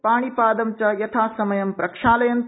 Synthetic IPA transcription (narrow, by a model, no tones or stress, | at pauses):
paːɽ̃ipaːd̪ɐmt͡ʃɐjɐt̪ʰaːsɐmɐjɐmpɾɐkʂaːlɐjɐn